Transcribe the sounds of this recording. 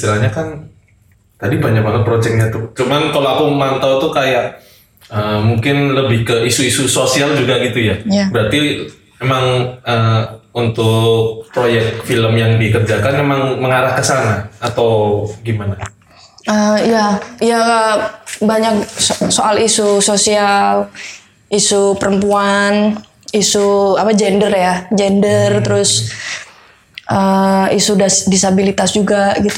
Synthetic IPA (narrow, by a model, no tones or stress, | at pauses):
t̪ilaɲakan | t̪adibaɲak̚manapɾod͡ʒɛk̚ɲat̪ut͡ʃumankaloakumant̪awt̪ukajaʔ | əmuŋkɪnləbɪhkəʔisuisusosiald͡ʒuɡaɡit̪ujabəɾat̪i | memaŋəunt̪ʊk̚pɾojɛk̚t̪̚filəmjaŋdikərd͡ʒakanmemaŋməŋaɾahkəsanaːt̪awɡimana | əijaija | baɲak̚soʔalisusosial | ʔisupəɾəmpuan | isuapad͡ʒɛndərjad͡ʒɛndərt̪əɾʊs | ʔəisudasdisabilit̪asd͡ʒuɡaɡit̪u